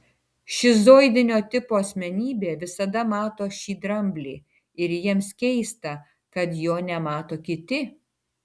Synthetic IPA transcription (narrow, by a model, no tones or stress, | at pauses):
ʃʲɪzoːɪd̪ʲɪnʲoːt̪ʲɪpoːɐsʲmʲɛnʲiːbʲeːʋʲɪsɐd̪ɐmɑːt̪oːʃʲiːd̪ɾɐmʲbʲlʲiː | ɪɾjiɛmskʲɛɪst̪ɐ | kɐt̪joːnʲɛmɑːt̪oːkʲɪt̪ʲɪ